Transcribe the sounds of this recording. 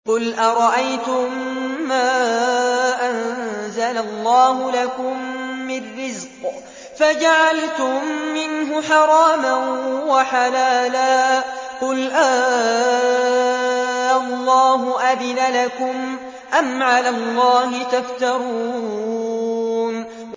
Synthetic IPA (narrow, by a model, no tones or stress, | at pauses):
qʊlʔaɾˤɑʔajt̪ʊmːaː | ʔanzalalˤːɑːɦʊlakʊmːɪrːɪzq | fad͡ʒaʕalt̪ʊmːɪnɦʊħɑɾˤɑːmanwaħalaːlaːqʊlʔaː | ʔɑlˤːɑːɦʊʔad̪ɪnalakʊm | ʔamʕalalˤːɑːɦɪt̪aft̪ɑɾuː | n